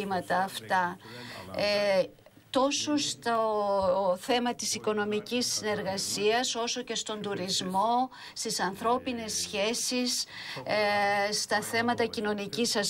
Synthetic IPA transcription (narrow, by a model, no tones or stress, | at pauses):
imɐt̪ɐːft̪ɐ | t̪o̞sost̪o | θe̞mɐt̪isiko̞no̞micisːine̞ɾɣɐsiɐso̞so̞ce̞st̪o̞nd̪uɾizmo̞ | st̪isɐnθɾo̞pine̞sçe̞sis | st̪ɐθe̞mɐt̪ɐcino̞nicisɐs